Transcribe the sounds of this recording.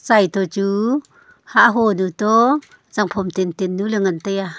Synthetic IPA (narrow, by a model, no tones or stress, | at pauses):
t͡sajt̪ɔt͡ɕu | haʔɦɔnut̪ɔ | zaŋpʰɔmt̪ent̪enːulɛŋant̪aja